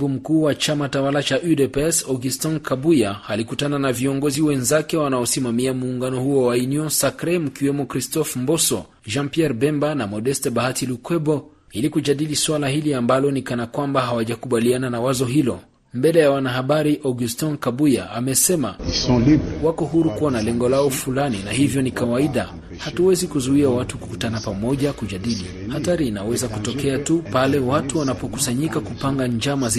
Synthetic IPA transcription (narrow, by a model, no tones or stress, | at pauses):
vum̩kuːwat͡ʃamatawalat͡ʃaʔudɛpɛsɔɡustɔnkabujahalikutananaviɔŋɡɔziwɛnzakɛwanaɔsimamiamuːŋɡanɔhuɔwainiɔ̃nsakɾɛmukiwɛmɔkɾistɔfmbɔsɔ̰ | ʒãmpiɛɾbɛmbanamɔdɛstɛɓahatilukwɛbɔ | ilikud͡ʒaɗiliswalahiliambalɔnikanakwambaɦawaʄakuɓaliananawazɔɦilɔ̰ | mbɛlɛjawanaɦaɓaɾiʔɔɡustɔnkaɓuja̰ʔamɛsɛmasɔ̃libwakɔhuɾukuwanalɛŋɡɔlaɔfulaninahivjɔnikawaiɗa | hatuwɛzikuzuiawatuku̥kutanapamɔʄakuʄaɗili | hataɾiːnawɛzakutɔkɛatupalɛwatuwanapɔkusaɲikakupaŋɡaɲd͡ʒamaz